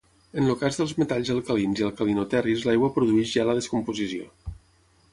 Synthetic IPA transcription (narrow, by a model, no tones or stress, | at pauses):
ənlukazðəlˠzmet̪aʎzəlˠkəlinziəlˠkəlinut̪ɛrizlajɣwəpɾuðuɛʒʒaləðəskumpuzisio̰